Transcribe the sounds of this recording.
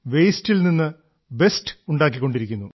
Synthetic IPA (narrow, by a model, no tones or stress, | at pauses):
ʋe̞jstilninːɨ | be̞sʈɨ̥uɳɖaːkːikːo̞ɳɖiɾikʲːunːu